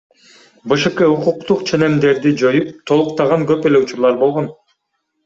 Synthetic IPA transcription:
bɯʃɯkɯuquq̚t̪uqt͡ʃʰe̞ne̞md̪e̞ɾd̪id͡ʒo̞jup̚t̪ʰo̞lˠuqt̪ɑʁɑŋkø̞pe̞le̞ut͡ʃuɾlˠɑɾbo̞lˠʁon

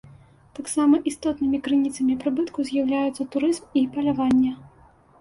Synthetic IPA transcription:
t̪aksamɐʔist̪ɔt̪nɨmʲikɾɨnʲit̪sɐmʲipɾɨbɨt̪kuzʲjawlʲajut̪sːɐt̪uɾɨzmipɐlʲavanʲːɐ

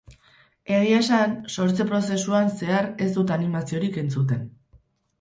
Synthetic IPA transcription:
eɣiesanso̞ɾt͡se̞pɾo̞se̞suanse̞aɾe̞sd̪ut̪animasio̞ɾike̞nt͡sut̪e̞n

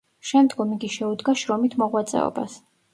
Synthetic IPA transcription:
ʃɛmd̪ɡɔmiɡiʃɛud̪ɡaʃɾɔmit̪ʰmɔʁwat̪sʼɛ̰ɔ̰ba̰s

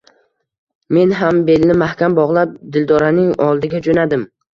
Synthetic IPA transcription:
me̞nɦambe̞lnɪmahkʲambɒʁlˠap̚d̪ɪld̪ɒɾanɪŋɒlˠd̪ɪɡʲad͡ʒonad̪ɪm

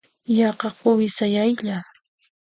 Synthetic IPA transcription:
jɑqɑqʊwɪsajajʎa

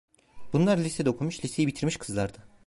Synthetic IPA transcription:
bunlˠaɾlʲisɛd̪okʰumuʃlʲise̞jibit̪ʰiɾmiʃkʰɯzlˠaɾd̪a

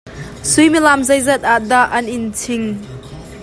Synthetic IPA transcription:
sʊjmilamzɐjzɐt̪̚ad̪aʔɐnɪnt͡sʰɪŋ

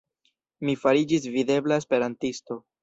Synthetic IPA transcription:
mifaɾid͡ʒisvid̪e̞blaespe̞ɾantisto̞

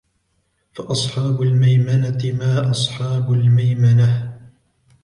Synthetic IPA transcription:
faʔɑsˤħɑːbʊlmajmanat̪ɪmaːʔɑsˤħɑːbʊlmajmana

